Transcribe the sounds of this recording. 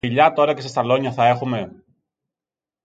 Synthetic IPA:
iʎɐt̪o̞ɾɐce̞sest̪ɐlo̞ɲɐθɐe̞xume̞

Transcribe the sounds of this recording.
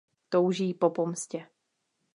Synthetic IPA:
t̪owʒiːpopomscɛ

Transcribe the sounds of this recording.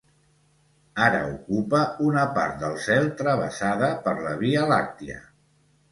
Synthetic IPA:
aɾə̰ukupəunəpa̰ɾt̪̚d̪əlˠsɛlˠt̪ɾəβə̰saðəpəɾləβiəlak̚t̪iə̰

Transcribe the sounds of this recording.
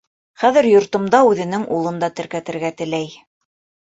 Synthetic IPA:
χæðɘ̆ɾjŏɾt̪ŏmd̪ɑʉðɘ̆nɘŋʔulˠɤ̆nd̪ɑt̪ɘ̆ɾkæt̪ɘ̆ɾɡæt̪ɘ̆læj

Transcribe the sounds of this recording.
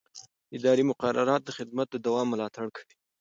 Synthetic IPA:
ɪd̪ɑɾimʊqaɾaɾɑt̪̚d̪əxɪd̪mat̪̚d̪əd̪awɑmːʊlɑt̪aɽkʰawi

